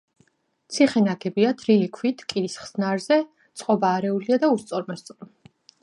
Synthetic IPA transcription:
t̪sʰiχɛnaɡɛbiat̪ʰɾiɛkʰwit̪ʰkʼiɾisχsnaɾzɛ | t̪sʰʼqʼɔbaːɾɛuliad̪aust̪sʼɔɾmɛst̪sʼ

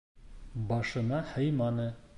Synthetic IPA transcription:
bɑʃɤ̆nɑhɤjmɑnɤ

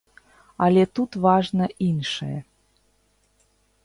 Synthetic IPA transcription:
ɑlʲet̪ut̪βɑʒnə̆ʔinʃḛ

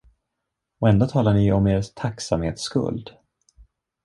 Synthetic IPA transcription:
ɔɛnd̪oːt̪ʰɑːlaɳɪɔmeːɾst̪ʰaksamhḛːt̪skɵ̰ld̪

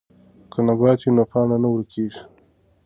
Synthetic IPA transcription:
kʰənabɑt̪jenopɑːnanawəɾkʰeʒ

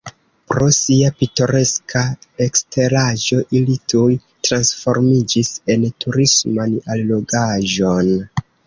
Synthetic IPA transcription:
pɾo̞siapito̞ɾe̞skʰae̞kstʰe̞ɾaʒo̞ʔilitʰuj | tɾansfo̞̰ɾmid͡ʒise̞ntuɾismanalːo̞ɡaʒo̞n

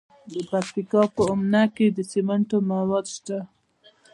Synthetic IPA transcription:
d̪əpak̚t̪ikɑpəʊmnaked̪əsimaɳʈomawɑd̪ʃt̪a

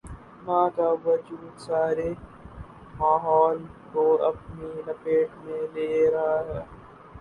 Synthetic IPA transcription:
mãːkaːʋɐd͡ʒuːd̪saːɾeː | maːɦɔːlkoːɐpninɐpeːʈmẽleːɾɐɦaɦɛː

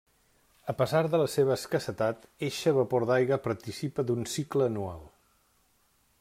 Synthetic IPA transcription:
əpəzaɾðələseβəːskəsət̪at̪eʃəβəpoɾðajɣəpəɾt̪isipəd̪unsikləːnua̰lˠ

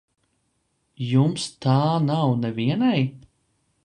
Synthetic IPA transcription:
jumst̪aːnawnɛviɛnaj

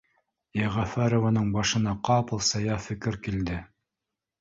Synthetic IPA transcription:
jæʁæfæɾovɑnɤɴbɑʃɤ̆nɑqɑpɤ̆lˠsɑjɑfɘ̆kɘɾkild̪ɘ

